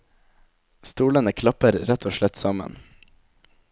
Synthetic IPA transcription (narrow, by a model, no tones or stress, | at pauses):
st̪uːlənəkʰlɑpəɾɾɛt̪ʰoːʃɭɛt̪sɑmə̰n